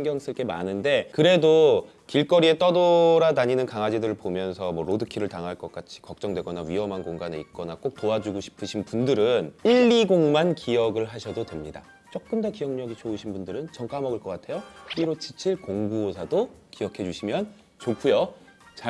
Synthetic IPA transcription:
eŋɡjʌŋs͈ɯɭk͈e̞ma̰nɯnde̞kɯɾe̞do | kiɭk͈ʌɾie̞t͈ʌdoɾadaɲinɯnkaŋɦad͡ʑidɯɾɯɭpomjʌnsʰʌmwʌɾodɯkʰiɾɯɭtaŋɦaɭk͈ʌk͈at͡ɕʰi̥kʌk̚t͡ɕ͈ʌŋdwe̞ɡʌnaɥiɦʌmɦankoŋɡane̞̰ḭt̚k͈ʌnak͈ok̚toad͡ʑuɡoɕʰi̥pʰɯɕʰinpundɯɾɯniʎːiɡoŋmankijʌɡɯɭɦaɕʰʌdodwe̞mɲida | t͡ɕ͈ok̚k͈ɯndʌkijʌŋɲʌɡit͡ɕouɕʰinbundɯɾɯnt͡ɕʌŋk͈amʌɡɯɭk͈ʌk͈atʰe̞jop͈iɾot͡ɕʰi̥t͡ɕʰiɭkoŋɡuosʰadokijʌkʰe̞d͡ʑuɕʰimjʌn | t͡ɕokʰujo | t͡ɕa

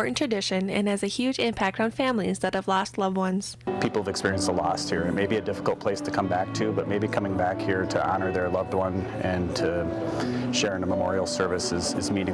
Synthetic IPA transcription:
ɹɨ̃ntʰɹ̥ɨdɪʃɨ̃nɨ̰̃nɨzɨhjʉd͡ʒɪ̃mpʰæk̚tn̩fæ̃mlizðɨt̚hɨvlɔstˡlʌvd̚wʌ̃nz̥pʰipl̩ˠʌvɨkspɪɹiɨ̃nsəlɔst̚hiɹɨt̚meɪbiɨdɪfə̥kl̩ˠt̚pʰl̥eɪstʰɨkʰʌ̃mbæk̚tʰɨbʌt̚meɪbikʰʌmɪ̃ŋbækhiɹɾɨʔɑnə˞ðə˞lʌvd̚wʌ̃nɨ̃ntʰɨ | ʃɛɹɨ̃nəməmɔ̰ɹil̩ˠsɜ˞vɨsɨzɨzmĩñɪ̃

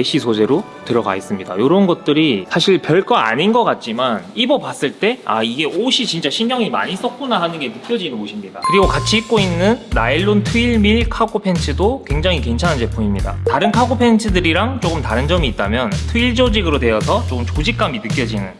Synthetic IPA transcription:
e̞ɕ͈ʰisʰod͡ʑe̞ɾo | tɯɾʌɡa̰es͈ɯmɲida̰joɾʌɯnɡʌt̚t͈ɯɾisʰaɕʰiɭpjʌɭk͈aa̰ɲinɡʌk͈at̚t͡ɕ͈imanibʌpas͈ɯɭt͈e̞a̰iɡe̞ʔoɕʰit͡ɕint͡ɕ͈aɕʰimɡjʌŋima̰ɲis͈ʌk̚k͈onaɦanɯnɡe̞nɯk͈jʌd͡ʑinɯnoɕʰimɲidakɯɾiɡokat͡ɕʰiik̚k͈oinːɯnːaiɭːontʰuiɭmiɭkʰaɡopʰe̞nt͡ɕʰɯdokwe̞ŋd͡ʑaŋikwe̞nt͡ɕʰanand͡ʑe̞pʰuimɲida̰taɾɯnkʰaɡopʰent͡ɕʰɯdɯɾiɾaŋt͡ɕ͈oɡɯmtaɾɯnd͡ʑʌmiːt̚t͈amjʌntʰuiɭd͡ʑod͡ʑiɡɯɾodwe̞ʌsʰʌt͡ɕ͈omt͡ɕod͡ʑik̚k͈aminɯk͈jʌd͡ʑinɯn

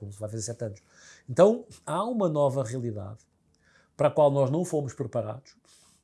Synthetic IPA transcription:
komsvajfɐzeɾsɛt̪ɐnʊʃ | ẽnt̪ɐ̃w̃aumɐnɔvɐʁiɐlˠiða̰ð | pɐɾɐkwalˠnɔʒnɐ̃w̃fomʊʃpɾɨpɐɾa̰ðuʃ

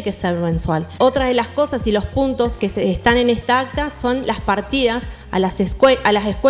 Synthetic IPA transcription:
jke̞seɾmẽ̞nswalo̞t̪ɾaðe̞lasko̞sasilo̞spunt̪o̞skesːst̪ane̞nest̪aak̚t̪aso̞nlaspaɾt̪iðas | a̰aseʔalasehkwe

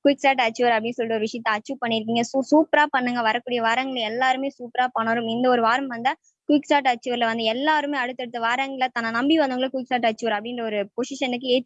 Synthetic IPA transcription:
kʊɪksʈaːʈɐt͡ʃːuʋɐɾɐpːɽɪnːɯsɔlɪt̪ːɔɾɯʋɪʂɐjɐt̪ːɐɐt͡ʃːuːpɐɳːɪɾɯk̬ːiːŋɡɐsusuːpɾaːpɐɳːɯŋɡɐʋɐɾɐkːuːɽɪjɐʋaːɾɐŋɡɐɭɛlːaːɾɯmeːsuːpɾaːpaːɳɐɾɯmɪnd̪ɐɔɾɯʋaːɾɐmʋɐnd̪a | kʊʋɪksʈaːʈ̬ɐt͡ʃːuʋɐɾlɐʋɐnd̪ɯɛlːaːɾɯmeːɐɽɯt̪ːɛɽɯt̪ːɐʋaːɾɐŋɡɐɭɐt̪ɐnːɐnɐmbiʋɐnd̪ɯŋɡɐɭɐkʊʋɪksʈaːʈ̬ɐt͡ʃːuʋɐɾɐpɐɽɪnɾɐɔɾɯpɔsɪʂɐnɯkːɯeː

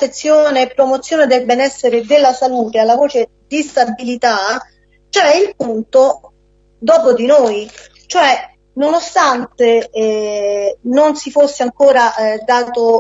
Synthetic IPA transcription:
et̪sːjoːneːpːɾomot̪sːjoːned̪elbɛnɛsːeɾed̪elːasaluːt̪ealːavoːt͡ʃe | d̪ist̪abilit̪a | t͡ʃoɛilpunt̪o | d̪ɔːpod̪inoːj | t͡ʃoɛ | nonost̪ant̪e | nonsifosːeaŋkoːɾad̪aːt̪o

